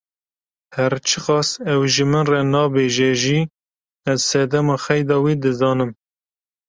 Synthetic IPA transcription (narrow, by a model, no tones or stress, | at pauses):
hæɾt͡ʃʰɨqɑːsɛwʒɨmɨnrɛnɑːbeːʒɛʒiː | ɛzsɛd̪ɛmɑːxɛjd̪ɑwiːd̪ɨzɑːnɨm